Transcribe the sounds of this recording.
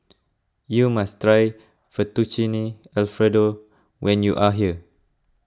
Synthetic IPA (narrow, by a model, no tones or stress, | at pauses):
jumastɹaj | fɔt̪ut͡ʃini | ɛlfɹɛdo | wɛ̃njuʔaɦiə